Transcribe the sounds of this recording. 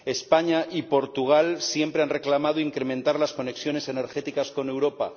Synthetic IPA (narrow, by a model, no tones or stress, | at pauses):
e̞spaɲaʔipo̞ɾt̪uɣ̞alsje̞mpɾeanre̞klamað̞oiŋkɾe̞mẽ̞nt̪aɾlasko̞ne̞ksjo̞ne̞se̞ne̞ɾxe̞t̪ikasko̞ne̞wɾo̞pa̰